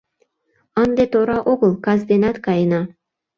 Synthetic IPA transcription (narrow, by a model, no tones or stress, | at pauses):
ɤnd̪et̪oɾɑʔoɣɤ̆lˠkɑzd̪enæt̪kɑjnɑ